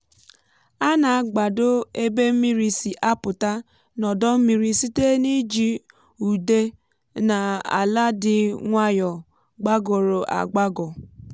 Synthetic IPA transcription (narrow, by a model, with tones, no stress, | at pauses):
a˦na˨a˨ɡ͡ba˨dʊ˦e˦be˦m̩˦mi˦ɾi˨si˨ʔa˦pʊ˨ta˦ | nɔ˨dɔ˦m̩˦mi˦ɾi˨si˦te˦ni˦d͡ʒi˨ | u˨de˦ | na˨a̰˨la˦dɪ˨ŋʷa˦jɔ˨ | ɡ͡ba˦ɡɔ˨ɾo˨ʔa̰˨ɡ͡ba˦ɡɔ˨